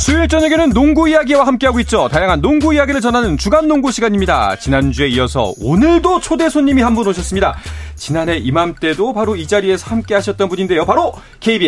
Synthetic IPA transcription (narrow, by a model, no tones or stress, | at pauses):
sʰuiɭt͡ɕ͈ʌneɡenɯnːoŋɡuijaɡiwahamk͈e̞ɦaɡoit̚t͡ɕ͈otajaŋɦanːoŋɡuijaɡiɾɯɭt͡ɕʌnɦanɯnt͡ɕuɡanːoŋɡuɕʰiɡaɲimɲida̰t͡ɕinand͡ʑue̞iʌsʰʌ̰o̰nɯɭdot͡ɕʰode̞sʰoɲːimihambunoɕʰʌs͈ɯmɲidat͡ɕinane̞ʔimamt͈e̞dopaɾoid͡ʑaɾie̞sʰʌhamk͈e̞ɦaɕʰʌt̚t͈ʌnbuɲinde̞jopaɾo | kʰe̞ibie